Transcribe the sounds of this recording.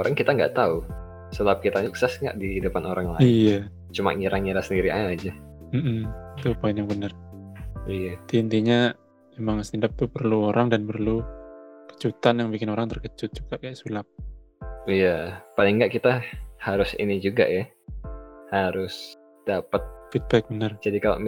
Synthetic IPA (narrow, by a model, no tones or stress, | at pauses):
oɾaŋkit̪aŋɡa̰ʔt̪au | səlap̚kit̪aɲuksɛsŋɡa̰ʔdiidəpanoɾaŋla̰ija | t͡ʃuma̰ŋiɾʔaŋiɾasəndiɾiʔa̰ad͡ʒa | m̩m̩it̪upaɪnjaŋbənər | ijat̪int̪iɲa | emaŋst̪indap̚t̪upərluoɾaŋdanpərlukə̥t͡ʃut̪anjaŋbikɪnoɾaŋt̪ərkət͡ʃʊt̪̚d͡ʒuɡ̥aʔkajaʔsulap̚ | ijapalɪŋɡaʔkit̪ahaɾʊsḭnid͡ʒuɡa̰ja | haɾʊs | d̥apət̪̚fit̪̚bɛk̚bənərd͡ʒadikalo̰ʔ